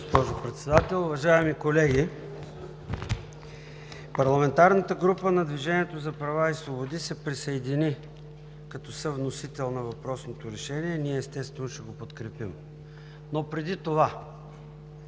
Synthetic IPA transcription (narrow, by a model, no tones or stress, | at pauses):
spɔʒopɾɛt̪sɛd̪at̪ɛlˠʊvɐʒaɛmikolɛɡʲi | pɐɾlˠɐmɛnt̪aɾnət̪əɡɾupənɐd̪viʒɛniɛt̪ozɐpɾɐvaislvˠobod̪isɛpɾisɐɛd̪ini | kɐt̪ɔsəvnosit̪ɛlˠnɐvɐpɾɔsnot̪oɾɛʃɛniɛniɛːst̪ɛst̪vɛnoʃɛɡopot̪kɾɛpim | nopɾɛd̪it̪ova